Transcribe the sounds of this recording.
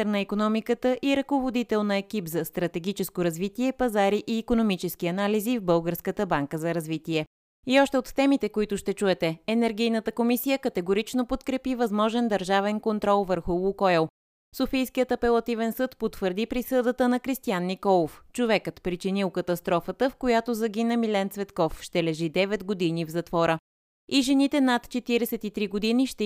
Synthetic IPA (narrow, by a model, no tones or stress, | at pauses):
ɛɾnəikonɔmikət̪əʔiɾɐkovod̪it̪ɛlˠnəɛk̟ipzɐst̪ɾɐt̪ɛɡ̟it͡ʃɛskoɾɐzvit̪iɛpɐzaɾiʔiːkonomit͡ʃɛskiɐnalizivbɤlˠɡəɾskət̪əbaŋkəzɐɾɐzvit̪iɛ | iɔʃt̪ɛot̪t̪ɛmit̪ɛkoit̪ʊʃt̪ɛt͡ʃuɛt̪ɛɛnɛɾɡʲijnət̪əkomisijəkət̪ɛɡoɾit͡ʃnopot̪kɾɛpivɐzmɔʒɛnd̪ɐɾʒavɛnkont̪ɾɔlˠvəɾxulˠukɔɛlˠ | sofijskijət̪ɐpɛlˠɐt̪ivɛnsɤt̪pot̪vəɾd̪ipɾisɤd̪ət̪ənɐkɾist̪ijanːikɔlˠoft͡ʃovɛkət̪pɾit͡ʃinilˠkɐt̪ɐst̪ɾɔfət̪əfkojat̪ozɐɡinəmilɛnt̪svɛt̪kɔfʃt̪ɛlɛʒid̪ɛvɛd̪ɡod̪inivzɐt̪vɔɾə | iʒɛnit̪ɛnat̪t͡ʃɛt̪iɾɛsɛt̪it̪ɾiɡod̪iniʃt̪ɛ